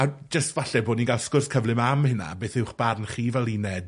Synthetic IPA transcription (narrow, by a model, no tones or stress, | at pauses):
ad͡ʒəstvaɬɛboːdninɡalˠskʊrskʰəvlɪmamhəna̰beːθɪwχb̥arnχiːvɛlˠinɛd̥